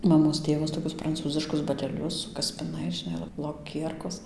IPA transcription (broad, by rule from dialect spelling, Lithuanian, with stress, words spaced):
mɐˈmoːs ˈtʲeːʋɐs toːˈkʲʊs prɐnˈt͡suːzʲɪʃkʊs bɐˈtʲæːlʲʊs sʊ kɐsʲpʲɪˈnɐɪs ʒʲɪˈnɐɪ lˠoː lˠoːˈkʲiɛrkoːs